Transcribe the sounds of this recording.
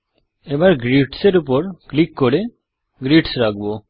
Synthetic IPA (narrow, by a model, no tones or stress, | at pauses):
ebaɾɡɾiʈseɾup̬ɔɾklikːoɾe | ɡɾiʈsɾak̚bo